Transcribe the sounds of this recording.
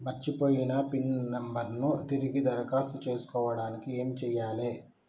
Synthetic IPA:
mɐɾt͡ʃipo̞ːjinɐpinːɐmbɐɾnut̪iɾiɡid̪ɐɾɐkaːsut͡ʃe̞ːsu̥kɔːʋɐɽaːnikieːmt͡ʃɛːjaːle̞ː

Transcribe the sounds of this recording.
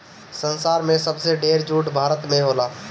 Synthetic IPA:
sənsaːɾmẽsəbseɖeːɾd͡ʒuːʈbʱaːɾət̪mẽɦoːlaː

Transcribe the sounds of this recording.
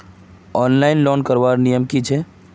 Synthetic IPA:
ɔnlaɪnlɔnkəɾbaɾnijəmkit͡ʃʰɛ

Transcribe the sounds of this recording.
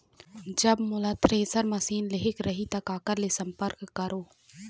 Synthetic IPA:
d͡ʒɐbmʊlat̪ʰɾeːsəɾmɐsiːnleɦɪkɾɐɦit̪ɐkaːkəɾlesə̃mpəɾkːɐɾoː

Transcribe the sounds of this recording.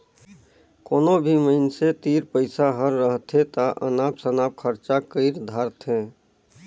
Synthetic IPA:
koːnobʱiməɪnset̪iːɾpəɪsaɦəɾːəɦt̪ʰɦẽt̪aʔə̰naːpsənaːp̚kʰəɾt͡ʃakəɪɾd̪ʱaːɾt̪ɦɛ̃ː

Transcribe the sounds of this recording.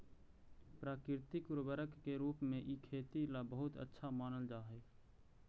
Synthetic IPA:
pɾaːkɪɾt̪ikʊɾbəɾəkːeɾuːpmẽʔikʰeːt̪ilabəɦʊt̪ə̰tːʃʰamaːnəld͡ʒaːɦɛ

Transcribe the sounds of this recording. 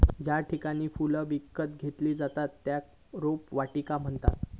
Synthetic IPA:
d͡ʑjaʈʰikaɽ̃iːfuləʋikːət̪ɡʱet̪liːd͡zat̪at̪ːjak | ɾopʋaʈikam̤əɳt̪a̰t̪

